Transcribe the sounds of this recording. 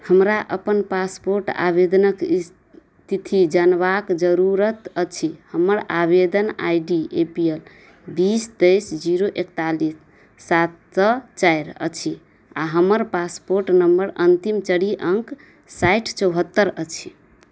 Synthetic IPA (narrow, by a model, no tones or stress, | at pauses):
həmɾaʔəpənpaspoɾʈa̰bed̪ənəkis | t̪it̪ʰid͡ʒanbakd͡ʒəɾuɾət̪ət͡ʃʰihəməɾabed̪əna̰jɖiepiel | bist̪ejsd͡ʒiɾoʔekt̪alisː | at̪sət͡ʃajɾə̰t͡ʃʰi | aɦəməɾpaspoɾʈnəmbəɾənt̪imt͡ʃəɽiʔəŋk | sajʈʰt͡ʃəwɦət̪ːəɾət͡ʃʰi